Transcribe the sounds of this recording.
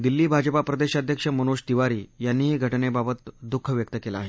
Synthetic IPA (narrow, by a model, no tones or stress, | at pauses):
d̪ilːiːbʱad͡ʑəpapɾəd̪eɕad̪ʱjəkʂəmənuʂd̪iʋaɾiːjanːiːɦiːɡʱəʈnebabət̪d̪ukʰːəʋjək̚t̪əkelaːɦe